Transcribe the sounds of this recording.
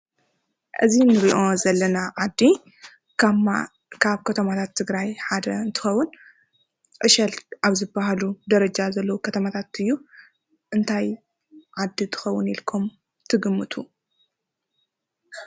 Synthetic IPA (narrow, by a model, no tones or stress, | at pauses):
ʔɨzinɨɾiʔo̞zɐlːɐnaʕad̪ːi | kma | kʰaβkʰɐt̪ʰɐmat̪ʰat̪ʰːɨɡɾajħad̪ɐɨnt̪ʰɨ̥xɐwːʊn | ʔɨʃɐlʔaβzɨbːaɦalud̪ɐɾɐd͡ʒazɐlːɐwukʰɐt̪ʰɐmat̪ʰat̪ɨjːu | ʔɨnt̪ʰaj | ʕad̪ːit̪ʰɨ̥xɐwːʊnilkʰom | t̪ʰɨɡɨmːɨt̪ʰu